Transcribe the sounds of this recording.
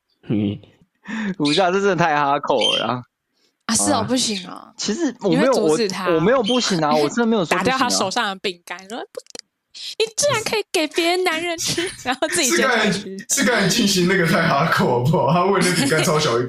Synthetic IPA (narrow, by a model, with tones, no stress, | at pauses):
lu˨˩ɕ̬ja˥˧ʂə˥˧t͡sə˥˩t̪ʰa˥˩ɪxa˧˥kʰo˨˩ʊ̰˧˩a̰˧˦ | ɐ˧ʂ̩˥˩ə˨˩pu˥˩ɕi˨˩˦ŋɐ̰˧t͡ɕʰi˧˥ʂɻ̩˧˥˦wɔ˨me˧˥ɪjo˨wwɔ˨˧˩t̪ʰa˦wɔ˨˩me˧˥jo˨˩ʊpu˥˩ɕi˨˩ŋa˧wɔ˨˩ʈ͡ʂə˥d̪me˧˥jo˨˩saɔ˥˨˩jʊa˥˨ʂo˨˩ʊʂɑ˥˩ŋd̪ə˩pi˨˩ŋka˥nɻu˧˥ə˨˩pu˧˥t̪ə˥˩ | ni˨t͡s̩˥˩ɻa˧˦nkʰɤ˧˥i˨˩ke˨˩ɪpjɛ˧˥ɻə˧˦nna˧˥nɻə˧nʈ͡ʂ̩ʰ˥ɻa˧˥nxo˥˧t͡s̩˥i˨ʂ̩˥˧˩ka˥˩ə˨˩ʂɻ̩˥˧ka˥˩ə˨˩nt͡ɕi˥˨nɕi˧˦ŋna˥˩ɡə˨t̪ʰa˥˧ɪxa˦˥kʰo˨˩ʊ˦pu˨˩˦ɔ˨˩t̪ʰa˥˦we˥˧ɪna˥˩pi˨ŋka˦nt͡sʰɑ˥ʊɕjɑ˨ʊi˧